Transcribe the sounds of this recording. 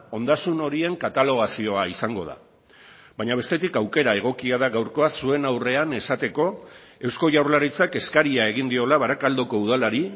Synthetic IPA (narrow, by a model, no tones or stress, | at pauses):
o̞nd̪asuno̞ɾie̞ŋkat̪alo̞ɣ̞asio̞aisaŋɡo̞ða̰ | βaɲaβe̞st̪e̞t̪ikawke̞ɾae̞ɣ̞o̞kiað̞aɣawɾko̞asue̞nawre̞ane̞sat̪e̞ko̞ | e̞wsko̞ʝawɾlaɾit͡sake̞skaɾiae̞ɣ̞ind̪io̞laβaɾakald̪oko̞uðalaɾi